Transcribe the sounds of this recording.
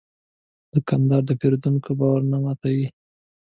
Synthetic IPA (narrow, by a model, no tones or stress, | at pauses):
d̪̥əkand̪ɑɾd̪əpeɾod̪unkobɑwaɾnamat̪awi